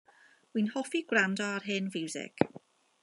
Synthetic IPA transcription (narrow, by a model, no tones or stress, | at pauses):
winhɔfiɡ̥wrandɔarɦɪnvɪwzɪ̰ɡ̥